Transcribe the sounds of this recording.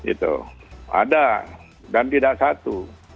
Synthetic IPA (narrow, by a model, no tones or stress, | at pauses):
ɡḭt̪ṵa̰da | dant̪idaʔsat̪u